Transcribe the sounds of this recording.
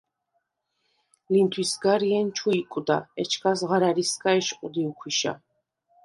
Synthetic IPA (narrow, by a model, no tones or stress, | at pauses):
lint̪ʰwisɡaɾiɛnt͡ʃʰuikʼud̪aɛt͡ʃʰkʰasʁaɾaɾiskʼaɛʃqʼud̪iukʰwiʃa̰